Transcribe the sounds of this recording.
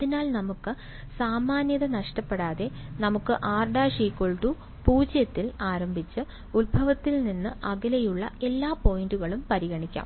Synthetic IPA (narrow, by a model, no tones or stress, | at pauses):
ɐðinaːlnɐmukːɨ | saːmaːnjɐðɐnɐʂʈɐpːe̞ɽaːðe̞nɐmukːɨʔaːrɖaːʂiːkːoɭʈu | puːd͡ʑjɐt̪ːilaːɾɐmbʱit͡ɕːɨ | ulbʱɐʋɐt̪ːilninːɨʔɐɣɐlejuɭːɐ̰e̞lːaːpo̞jinduɣɐɭumpɐɾiɣɐɳikʲːa̰ːm